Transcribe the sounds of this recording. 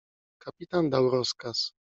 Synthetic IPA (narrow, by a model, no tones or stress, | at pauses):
kapʲit̪and̪awɾɔskas